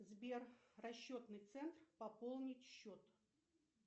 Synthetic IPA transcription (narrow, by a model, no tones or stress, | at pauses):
zbʲerːɐɕːo̞t̪nɨjt̪sɛnt̪rpɐpolˠnʲɪtʲɕːo̞t̪